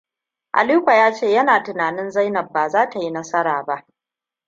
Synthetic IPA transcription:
ʔa̰˨liː˦kʷa˨jaː˦t͡ʃeː˦˨jɐ˦naː˨tɪ˨naː˨nɪ˦nza˦jnɐ˨b̚ːaː˨zaː˦ta˨ji˦nɐ˦sɐ˦ɾaː˨ba˦ʔ

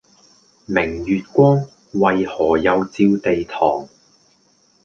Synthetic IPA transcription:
mɪ˨˩ŋjyː˨t̚kʷɔː˥ŋ | wɐ˨jhɔː˨˩jɐ˨˧wt͡siː˧wt̪e˨jt̪ʰɔ̰ː˨˩ŋ

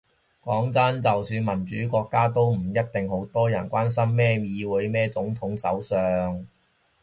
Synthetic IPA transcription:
kɔː˨˥ŋt͡sɐ˥nt͡sɐ˨wsyː˨˧nmɐ˨˩nt͡ʃyː˨˥kʷɔː˧kːaː˥t̪o˥wm̩˨˩jɐ˥t̚t̪ɪ˨ŋho˨˥wt̪ɔː˥jɐ˨˩nkʷwaː˥ns̬ɐ˥mːɛː˥mjiː˨˧wu˨˥jmɛː˥t͡sʊ˨˥ŋt̪ʰʊ˨˥ŋsɐ̰˨˥wsœː˨ŋ

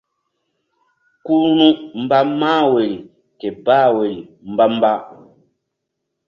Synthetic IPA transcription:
ku˦ɾnũ˦m̩˨ba˦maː˦˨we˨ɾi˨ | kɛ˨baː˦˨we˨ɾi˨m̩˨ba˦m˦ba˦

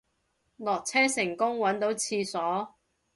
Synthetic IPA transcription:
lɔː˨k̚t͡sʰɛː˥sɪ˨˩ŋkʊ˥ŋwɐ˨˥nt̪o˨˥wt͡sʰiː˧sɔː˨˥

